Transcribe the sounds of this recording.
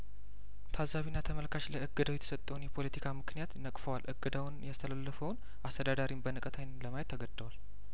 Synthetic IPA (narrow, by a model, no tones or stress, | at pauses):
t̪ʰazːaβinːat̪ʰəməlkʰaʃləɨɡːɨd̪awjɛt̪ʰə̥sət̪ʼːəwnjɛpʰo̞lət̪ʰikʰamɨknijat̪nəkʼfəwalʔɨɡːɨd̪awnjast̪ʰəlalːəfəwn | ast̪ʰəd̪ad̪aɾimbənəkʼət̪ʰajnləmajɛt̪ːəɡəd̪ːəwal